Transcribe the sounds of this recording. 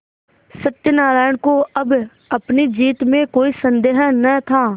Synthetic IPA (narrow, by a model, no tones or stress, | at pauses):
sɐʈ̪jənaːɾaːjəɽkoɐb | ɐpnid͡ʒiːt̪mẽkoːisə̃nd̪eːɦənət̪ʰaː